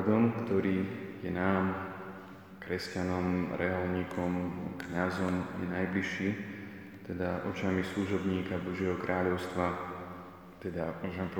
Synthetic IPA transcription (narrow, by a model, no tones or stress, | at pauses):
d̪ɔmkt̪ɔɾiːjɛnaːm | kɾɛscanɔmɾɛɦalɲiːkʰɔmkɲazɔmjɛ̰najbliʃːiː | t̪ɛd̪aʔɔ̰t͡ʃamisluʒɔbɲiːkabɔʒɪɛɦɔkɾʔaːʎɔʊst̪ʋa | t̪ɛd̪amɔʒɛmɛp